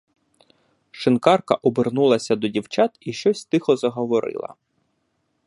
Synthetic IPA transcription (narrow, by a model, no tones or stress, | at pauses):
ʃɪnkɑrkɐʔɔbɪrnulˠɐsʲɐd̪ɔdʲiwt͡ʃɑt̪iʃt͡ʃɔsʲst̪ɪxɔzɐɦɔʋɔɾɪ̰lˠɐ̰